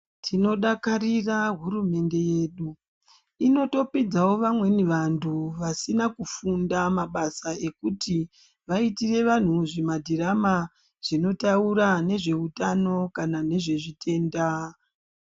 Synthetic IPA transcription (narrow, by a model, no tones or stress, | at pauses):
tʰino̞ɗakariraɦuɾume̞nde̞je̞ːɗu | ino̞to̞pid͡zawo̞ʋamwe̞niʋantʰuʋasinakufundamaɓasae̞kuti | ʋaitire̞ʋan̤uʐimadʱiɾama | ʐ̥ino̞tauɾane̞ʐe̞utano̞kanane̞ʐe̞ʐitʰe̞ːnda